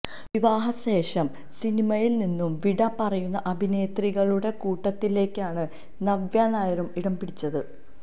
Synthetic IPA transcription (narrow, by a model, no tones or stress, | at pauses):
ʋiʋaːɦɐɕe̞ːʂɐm | sinimɐjilninːumʋiɽɐpɐrɐjunːɐʔɐbʱine̞ːt̪riɣɐɭuɽe̞kuːʈːɐt̪ːile̞ːkːaːɳɨ | nɐʋjaːnaːjɐɾumiɽɐmbiɽit͡ɕːɐðɨ